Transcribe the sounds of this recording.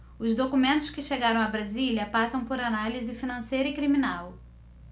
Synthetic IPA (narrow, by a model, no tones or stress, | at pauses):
ʊzd̪okumẽnt̪ʊ̥skɪʃeɡaɾɐ̃w̃ɐbɾazilʲɐpasɐ̃w̃poɾanalizɪfinɐ̃sejɾɐikɾiminaw